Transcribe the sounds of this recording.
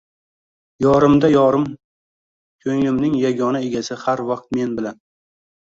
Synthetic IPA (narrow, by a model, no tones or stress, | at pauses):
jɒɾɪmd̪ajɒɾɪm | kʲʰɵŋɪmnɪŋjaɡʲɒnae̞ɡʲasɪhaɾvɑq̚t̪̚me̞nbɪlan